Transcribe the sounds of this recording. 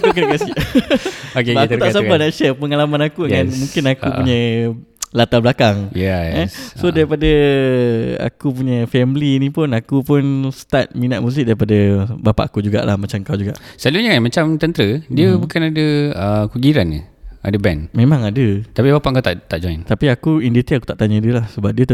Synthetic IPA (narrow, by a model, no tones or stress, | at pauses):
akukəɾəkasi | okat̪ut̪aʔs̬apanaʔʃɛpəŋalamãnakudəjanmũŋkɪnakuuɲə | lat̪ablakaŋjɛassodaɾipadə | a̰kup̬uɲəfɛmlinĩpʊnakupʊnsə̥t̪at̪̚minat̪̚mus̬ɪk̚daɾipadəbapa̰ʔakud͡ʒuɡa̰ʔla̰hmat͡ʃamkawd͡ʒuɡa̰ʔsəluɲəkanmat͡ʃamt̪ənt̪ɾədiəbukanadəəkuɡiɾanːə̰a̰dəbɛnmẽmãŋadət̪apibapaʔkat̪aʔt̪aʔd͡ʒɔjnt̪apiakuindit̪iaku̥t̪aʔt̪aɲə̃diəlahsəbap̚diət̪